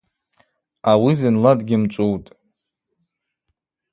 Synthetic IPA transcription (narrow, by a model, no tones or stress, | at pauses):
awizɨnladɡʲɪmt͡ʃʷʼuwtʼ